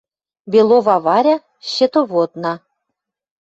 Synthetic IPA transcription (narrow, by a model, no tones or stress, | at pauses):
bʲelˠovɑβɑɾʲɑ | ɕĕt̪oβot̪nɑ